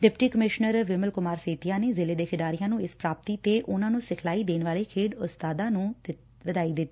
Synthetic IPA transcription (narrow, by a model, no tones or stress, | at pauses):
ɖɪpʈiːkəmɪʃnəɾʋɪməlkʊmaːɾseːt̪ijãːneːzɪleːd̪eːkʰɪɖaːɾijãːnũːɪspɾaːp̚t̪iːt̪eːʔʊnãːnũːsɪkʰlaːiːd̪eːnʋaːleːkʰeːɖʊst̪aːd̪ãːnũː | ʋəd̪aːiːd̪ɪt̪ːiː